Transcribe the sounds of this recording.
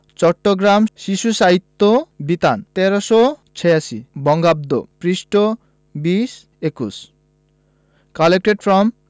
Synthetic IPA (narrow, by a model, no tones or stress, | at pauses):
t͡ɕɔʈːoɡɾamʃiʃuʃaɦit̪ːobit̪ant̪eɾoʃot͡ɕʰeaʃibɔŋɡab̚d̪o̰pɾiʃʈo | biʃ | ekus | kalek̚ʈeɖfɾɔm